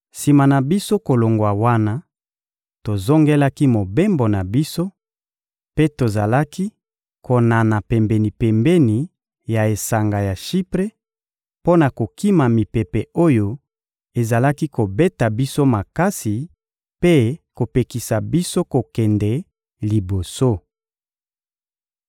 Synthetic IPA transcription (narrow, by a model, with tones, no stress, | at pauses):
si˨ma˨na˨bi˦so˦ko˨lo˨ŋɡwa˨wa˦na˦ | to˨zo˦ŋɡe˦la˦ki˦mo˨be˦mbo˨na˨bi˦so˦ | pe˦to˨za˨la˦ki˦ | ko˨na˨na˨pɛ˨mbɛ˨ni˨pɛ˨mbɛ˦ni˨ | ja˨e˨sa˨ŋɡa˨ja˨ʃi˦pʁe˦ | po˦na˨ko˨ki˦ma˨mi˨pe˨pɛ˨o˦jo˦ | e˨za˨la˦ki˦ko˨bɛ˦ta˨bi˦so˦ma˨ka˦si˨ | pe˦ko˨pe˨ki˨sa˨bi˦so˦ko˨kɛ˨ndɛ˨ | li˨bo˨so˦